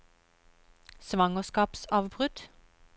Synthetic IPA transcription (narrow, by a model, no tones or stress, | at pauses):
sʋɑŋəskɑːpsɑːʋbʁʉt̪